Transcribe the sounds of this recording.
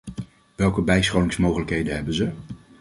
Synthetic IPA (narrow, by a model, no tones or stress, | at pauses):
ʋɛlˠkəbɛjsχownɪŋsmowχələkɦejdənɦɛbənzə